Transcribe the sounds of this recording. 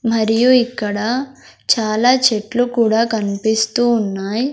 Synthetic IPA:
mɐɾijuikːɐɽɐ | t͡ʃaːlaːt͡ʃeʈlukuːɽaːkɐnipist̪uːnːaːji

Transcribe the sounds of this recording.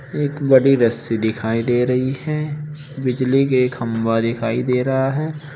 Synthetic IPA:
eːkbɐɽiɾɐsid̪ɪkʰaːid̪eːɾɐɦihɛː | bɪd͡ʒlikeːkhɐmʋad̪ɪkʰaːid̪eːɾɐɦaɦɛː

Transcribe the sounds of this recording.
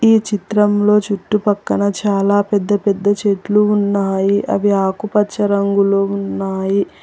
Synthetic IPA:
iːt͡ʃit̪ɾɐmlo̞ːt͡ʃuʈːupɐkːɐnɐt͡ʃaːlaːpɛd̪ːɐpɛd̪ːɐt͡ʃeːʈluunːaːjiʔɐ̰ʋiaːkupɐt͡ʃːɐɾɐŋɡuloːunːaːji

